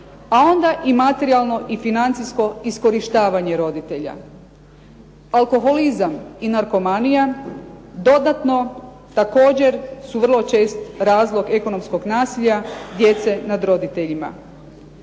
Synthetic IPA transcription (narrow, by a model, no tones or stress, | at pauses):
ao̞nd̪aʔimat̪eɾialˠno̞ʔifinant̪sisko̞isko̞ɾiʃt̪aːʋaɲe̞ɾo̞d̪it̪e̞ʎa̰ | alko̞ɦo̞lizaminaɾko̞manija | d̪o̞d̪at̪no̞ | t̪ako̞ːd͡ʑe̞ɾsuʋr̩lˠo̞t͡ʃe̞ːst̪ɾaːzlˠo̞ɡe̞ko̞no̞msko̞ɡnaːsiʎad̪je̞t̪se̞nad̪ɾo̞d̪it̪e̞ʎima̰